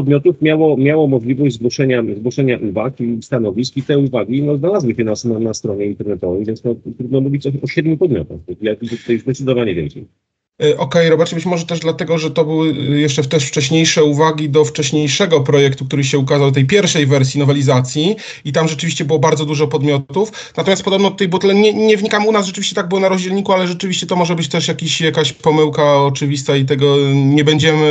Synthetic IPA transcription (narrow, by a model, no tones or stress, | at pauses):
pɔd̪̚mʲjɔt̪ufmʲjawɔmʲjawɔmɔʐlʲivɔʑd͡ʑʲzɡwɔʂɛɲazɡwɔʂɛɲaʔuvakist̪anɔvʲiskit̪ɛuvaɡʲinɔznalazwɘɕɛnasnɔnast̪ɾɔɲɛint̪ɛɾnɛt̪ɔvɛjvʲjɛntsnɔt̪ɾud̪nɔmuvʲit͡ɕ̪ɔɕɔɕɛd̪̚ɲʲupɔd̪mʲjɔ̰t̪axɔɡlɛk̪t̪ajzd̪ɛt̪sɘd̪ɔvaɲɛvʲjɛ̰lksɛ̰j | ʔɔkɛjɾɔbat͡ʂɛbɘt͡ɕmɔʐɛt̪ɛʐd̪lat̪ɛɡɔʐɛt̪ɔbɘwɘjɛʂt͡ʂɛft̪ɛʂft͡ʂɛɕɲejʂɛuvaɡʲid̪ɔft͡ʂɛɕɲejʂɛɡɔpɾɔjɛkt̪uk̚t̪uɾɘɕɛukazawt̪ɛjpʲjɛɾfʂɛjvɛɾsʲjinɔvɛlʲizat̪sʲji | it̪amʐɛt͡ʂɘvʲiɕt͡ɕɛbɘwɔbaɾd̪zɔd̪uʐɔpɔd̪mʲjɔt̪uf | nat̪ɔmʲast̪pɔd̪ɔbnɔd̪t̪ɔt̪ɛjbuɔt̪lɛɲɛɲɛvɲikamunas̬ʐɛt͡ʂɘvʲiɕt͡ɕɛt̪aɡ̚bɘwɔnaɾɔʑd͡ʑɛlɲikualɛʐɛt͡ʂɘvʲiɕt͡ɕɛt̪ɔmɔʐɛbɘt͡ɕt̪ɛʂjakʲiɕjakaɕpɔmɘwkaɔt͡ʂɘvʲist̪ait̪ɛɡɔɲɛbɛɲd͡ʑɛmɘ